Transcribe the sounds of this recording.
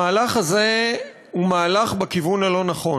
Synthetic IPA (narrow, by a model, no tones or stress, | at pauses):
aːlaχaze̞ | umaːlaχbekivunalo̞naχo̞